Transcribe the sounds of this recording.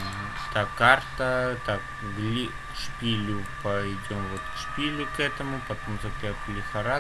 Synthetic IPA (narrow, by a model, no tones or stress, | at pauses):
t̪akart̪ət̪ak | ɡlʲi | ʂpʲilʲʊpɐjdʲo̞mvo̞t̪kʂpʲilʲʊkɛt̪əmʊpɐt̪o̞mzɐpʲaklʲɪxɐɾa